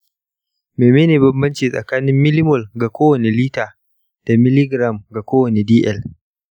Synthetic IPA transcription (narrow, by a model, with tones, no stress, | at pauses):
meː˨meː˦neː˨bɐ˦mbɐ˦nt͡ʃiː˨sʼɐ̰˨kaː˦nɪ˦mːɪ˦lɪ˦mʊ˨lɡa˨kʷoː˦wɐ˨ne˨liː˦taː˨ | d̥a˨mɪ˦lɪ˦ɡɾa˨mɡa˨kʷoː˦wɐ˨ne˨diː˦ʔɛ˦˨l